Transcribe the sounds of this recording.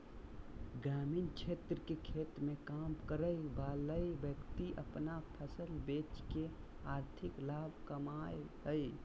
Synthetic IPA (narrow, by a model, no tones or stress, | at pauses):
ɡɾamint͡ʃʰeːt̪ɾəkekʰeːt̪mẽkamkəɾəjbaːləjbjəkt̪iʔəpnapʰəsəlbeːt͡ʃke | aːɾt̪ʰɪklaːbʱkəmajɦəj